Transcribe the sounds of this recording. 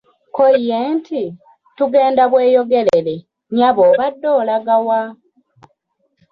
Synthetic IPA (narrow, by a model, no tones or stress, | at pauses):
koijenti | tuɡe̞ːndaβwe̞ːjo̞ɡe̞lele̞ | ɲaβoːβadːo̞ːlaɡawa